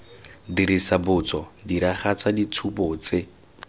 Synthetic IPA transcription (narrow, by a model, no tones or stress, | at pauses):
diɾisabʊt͡sɔdiɾaχat͡sadit͡sʰupɔt͡se